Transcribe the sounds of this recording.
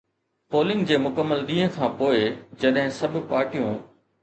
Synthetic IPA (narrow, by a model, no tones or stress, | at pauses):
poːlɪ̃ŋɡd͡ʑeːmʊkəmːəlɗ̪ĩːɦə̃kʰãːpoːɪd͡ʑɐɗɦɪ̃sɐbʱʊpaːɾʈijũ